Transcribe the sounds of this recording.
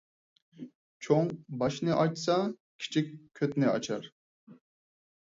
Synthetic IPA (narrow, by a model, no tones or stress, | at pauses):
t͡ʃʰoŋbɑʃnɨʔɑt͡ʃsɑkʲʰi̥t͡ʃʰikʲkʲʰːøt̪nɪɑ̰t͡ʃʰɑɾ